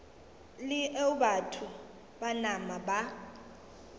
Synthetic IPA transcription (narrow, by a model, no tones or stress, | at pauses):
lɪʔɛʊbatʰʊ | banamaba